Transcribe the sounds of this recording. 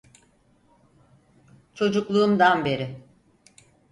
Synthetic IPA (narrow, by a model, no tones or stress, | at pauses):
t͡ʃʰo̞d͡ʒuklˠuːmd̪anbe̞ɾɪ